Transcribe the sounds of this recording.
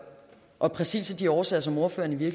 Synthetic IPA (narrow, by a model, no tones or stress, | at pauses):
ʔɒ̽pʰʁɛsḭːsɒd̥iɒːsɛːɐsɒ̽mo̝ɐfø̰ːɐniʋiɐ̥